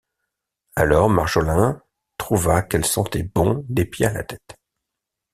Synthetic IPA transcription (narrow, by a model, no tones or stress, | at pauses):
alɔʁmaʁʒolɛ̃ | t̪χuvakɛlsɑ̃t̪ɛbɔ̃d̪epjeala̰t̪ɛ̥t̪